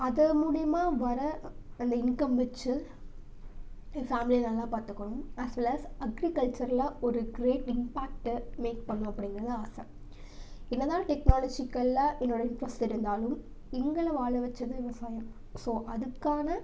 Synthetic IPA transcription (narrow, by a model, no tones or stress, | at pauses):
ɐðɐmuːɽɪjɐmaːʋɐɾɐɐnd̪ɐɪnkɐmʋɛt͡ʃːɯ | faːmɪlinalːãːpaːɾt̪ɯkːɐɳʊmɐsʋɛlɐsɐɡɾikɐlt͡ʃɐɾɪlãːɔɾɯɡɾeːʈɪmpaːk̚ʈmeːk̚pɐɳːũɐpːɐɽɪŋɪɡɪɾɐðɯaːsɐ̰̃ | ɪnːɐðãːʈɛknaːlɐd͡ʒikːɐlːãʔɛnːoːɽɐɪnʈɾɐsʈɪɾɯnd̪aːlɯm | ɛŋɡɐɭɐʋaːɭɐʋɐt͡ʃːɐðɯʋɪʋɐsaːjɐm | soːʔɐðɯkːaːnɐ